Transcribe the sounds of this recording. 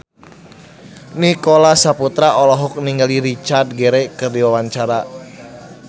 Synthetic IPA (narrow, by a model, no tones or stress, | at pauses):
nikolasaput̪ɾaɔlɔɦɔk̚niŋɡaliɾit͡ʃard̪̚ɡeɾekərdiwawaɲt͡ʃaɾa